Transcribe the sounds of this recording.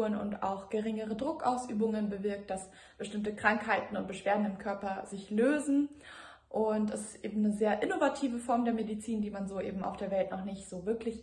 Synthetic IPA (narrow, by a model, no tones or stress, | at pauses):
ənʊ̰nta̰ʊxɡ̥əʁ̞ɪŋəʁ̞ədʁʊkʔaʊsʔyːbʊŋənbəvɪɐk̚t̚d̥as | b̥əʃtɪmtəkʁ̥aŋkhaɪtn̩ʊnt̚b̥əʃv̥eːɐdn̩ɪmkʰœɐpɐzɪçløːzn̩ | ʔʊntɛsɪ̥stʔḛːbm̩nəzeːɐʔɪnovatʰiːvəfɔɐmdeːɐmedit͡siːndiːmanzoːʔḛːbm̩a̰ʊfd̥eːɐvɛltnɔχnɪçtz̥oːvɪɐklɪç